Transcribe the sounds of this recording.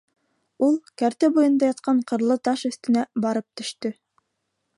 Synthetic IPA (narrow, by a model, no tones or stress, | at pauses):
ulˠkæɾt̪ɘbujɤ̆nd̪ɑjɑt̪̚qɑɴqɤ̆ɾlˠɤt̪ɑʃɵ̆θt̪ɘ̆næbɑɾɤp̚t̪ɵ̆ʃt̪ɵ